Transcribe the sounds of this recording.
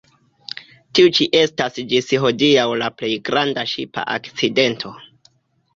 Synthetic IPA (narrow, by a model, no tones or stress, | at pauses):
tiut͡ʃiʔe̞stasd͡ʒisɦo̞diawlaple̞jɡɾandaʃḭpa̰ʔa̰kt͡side̞ntʰo̞